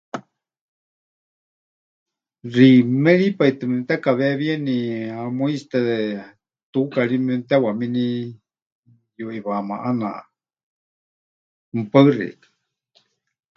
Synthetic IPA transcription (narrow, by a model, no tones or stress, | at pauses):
rimɛɺipait̪ɨmɛmt̪ɛkaβɛβieniamuist̪ɛ | t̪ukaɺimɛmt̪ɛwamini | juʔiβama̰ʔana̰ʔ | m̩pərɛ̰kḁ